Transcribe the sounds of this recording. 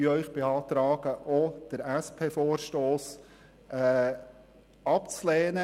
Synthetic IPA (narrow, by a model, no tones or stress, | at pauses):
yœʏχb̥eɑːt̪ɾaːɡ̥əʔod̥əɾɛspʰeːfoːrʃtoːs | ɛː | ɑpt͡slɛːnə